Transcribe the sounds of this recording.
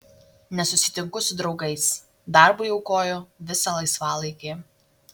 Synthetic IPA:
nʲɛsʊsʲɪ̥t̪ʲɪŋkʊsʊd̪ɾɒʊɡɐɪs | d̪ɑˑɾbʊjɛʊkoːjʊʋʲɪsɐlˠɐɪsʋɑːlˠɐɪkʲeː

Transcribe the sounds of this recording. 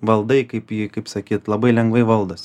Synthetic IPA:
ʋɐlˠd̪ɐɪkɐɪpjɪkɐɪpsɐkʲiːt̪lˠɐbɐɪlʲɛŋɡʋɐɪʋɐlˠd̪ɐs

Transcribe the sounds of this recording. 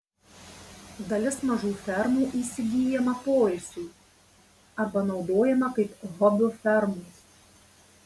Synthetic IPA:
d̪ɐlʲɪsmɐʒuːfʲɛɾmuːʔiːsʲɪɡʲiːjɛmɐpoːjɪsʲʊɪ | ɐbɐnɒʊd̪oːjɛmɐkɐɪpɦɔbʲʊfʲɛɾmus

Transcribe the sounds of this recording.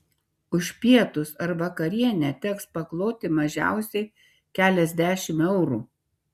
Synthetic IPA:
ʊʃʲpʲiɛt̪ʊsɐɾʋɐkɐɾʲiɛnʲɛt̪ʲɛkspɐklˠoːt̪ʲɪmɐʒʲæ̰ˑʊsʲɛɪ | kʲæːlʲɛzʲd̪ʲæːʃʲɪmɛʊɾuː

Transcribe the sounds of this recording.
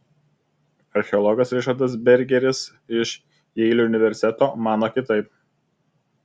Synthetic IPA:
ɐɾʲxʲɛɔlˠɔɡɐsɾʲɪʃɐɾt̪ɐsbʲɛɾʲɡʲɛɾʲɪs | ɪʃ | jɛɪlʲuʊnʲɪʋʲɛɾʲsʲt̪ʲɛt̪oːmɑːnoːkʲɪt̪ɐɪp̚

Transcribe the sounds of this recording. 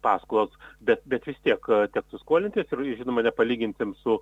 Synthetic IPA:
pɑːskʊlˠoːsbʲɛt̪̚bʲɛt̪ʋʲɪst̪ʲiɛkt̪ʲɛksʊskuɔlʲɪnʲt̪ʲiːsɪrɪʒʲɪnoːmɐnʲɛpɐlʲiːɡʲɪnʲsʲɪmsʊ

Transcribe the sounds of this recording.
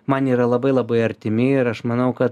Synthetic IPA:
mɐniːɾɐlˠɐbɐɪlˠɐbɐɪɐɾʲt̪ʲɪmʲɪɪɾɐʃmɐnɐʊkɐt̪

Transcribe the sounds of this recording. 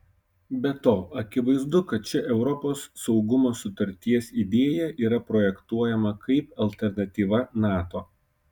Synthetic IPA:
bʲɛt̪oːɐkʲɪʋɐɪzd̪ʊkɐt̪̚t͡ʃʲɛʔɛʊɾɔpoːsːɒʊɡʊmoːsʊt̪ɐɾʲt̪ʲiɛsid̪ʲeːjɛʔiːɾɐpɾoːjɛkt̪uɔjɛmɐkʰɐɪpɐlʲt̪ʲɛɾnɐt̪ʲiːʋɐnɑːt̪oː

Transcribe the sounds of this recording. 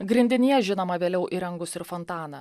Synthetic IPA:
ɡɾʲɪnʲd̪ʲɪnʲijɛʒʲɪnoːmɐʋʲeːlʲɛʊʔiɾɐŋɡʊsɪɾfɔnt̪ɑːnɐ

